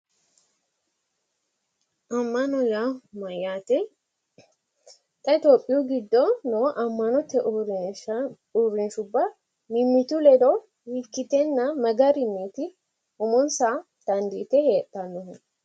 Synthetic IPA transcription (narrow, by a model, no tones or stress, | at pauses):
ʔɐmːɐnɔjamɐjaːt̪ɛ | t̪ʼɐɪt̪joːpʼːɪjuːɡɪd̪ːoːnoːʔɐmːɐnɔt̪ːɛ | urːɪnʃʊbːa | mɪmːɪt̪ulɛd̪o | wikːɪt̪ɛnːamɐɡɐɾɪmːiːt̪ɪ | ʊmʊnsaː | t̪ɐnd̪iːt̪ɛheːt̪ːɐnːʊhn